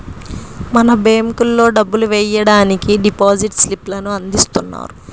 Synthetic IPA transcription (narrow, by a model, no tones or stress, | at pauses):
mɐnɐbeːmkulːo̞ːɖɐbːuluʋɛjɐɽaːnikiɖipoːd͡ʒiʈsliplɐnuɐnd̪ist̪unːa̰ːɾu